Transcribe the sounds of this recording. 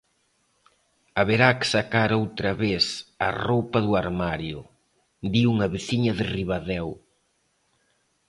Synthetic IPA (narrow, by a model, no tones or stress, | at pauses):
ɐβeɾaksakaɾowt̪ɾɐβesɐ̰rowpɐðuaɾmaɾjʊ̰ | d̪iuŋɐβeθiɲɐðɪriβaðɛw